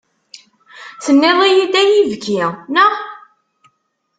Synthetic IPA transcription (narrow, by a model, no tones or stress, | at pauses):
t͡sːənːɪðˤijid̪æjivɡinə